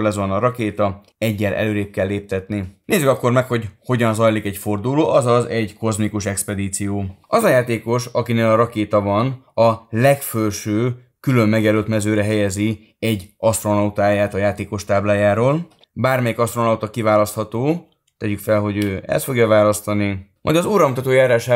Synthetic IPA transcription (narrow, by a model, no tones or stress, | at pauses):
lɛzonɒɾɒkeːt̪ɒ | ɛɟːɛlʔɛ̰løːɾeːp̚kɛlːeːp̚t̪ɛt̪nineːzːykɒkːo̞rmɛkho̞ɟho̞ɟɒnzɒjlikɛɟfo̞rd̪uloːʔɒzɒzɛɟko̞zmikuʃɛkspɛd̪iːt̪sijoːʔɒzɒjaːt̪eːko̞ʃɒkineːlɒɾɒkeːt̪ɒbɒnɒlɛkfølʃøː | kylø̞mːɛɡɛɾøːlt̪mɛzøːɾɛɦɛjɛzi | ɛɟːɒst̪ro̞nɒut̪aːjaːt̪ɒjaːt̪eːko̞ʃt̪aːblaːjaːɾoːl | baːrmɛjikɒst̪ro̞nɒut̪ɒkivaːlɒst̪hɒt̪oː | t̪ɛɟykfɛlɦo̞ɟøːɛ̰st̪fo̞ɡjɒvaːlɒst̪ɒnimʔɒ̰jd̪ɒzuːɾɒumt̪ɒt̪oːjaːɾaːʃaː